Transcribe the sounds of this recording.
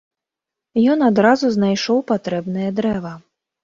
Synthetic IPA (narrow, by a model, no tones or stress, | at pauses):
jɔnad̪ɾazuznajʂɔwpat̪ɾɛbn̪ɨjɐd̪ɾɛvɐ